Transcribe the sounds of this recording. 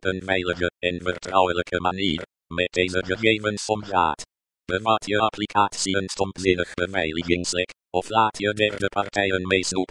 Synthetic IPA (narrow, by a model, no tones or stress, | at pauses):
ənvɛjləɣəɛnfərtʰrawələkʰəmaniːr | mɛd̚d̥ejzəɡəxeːvənsɔmra̰ːt | b̥əvaːtʰiəapʰlikʰaːsiənstɔmpzɪnəxbəvajlɪɡɪŋslɛk | ɔflaːtʰiədɛrdəpʰartʰajənmejsnup